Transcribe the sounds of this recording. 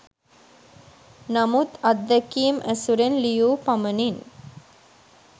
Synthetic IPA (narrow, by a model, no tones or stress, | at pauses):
namut̪ɐd̪ːəkiːmʔæsuɾenlijuːpamənin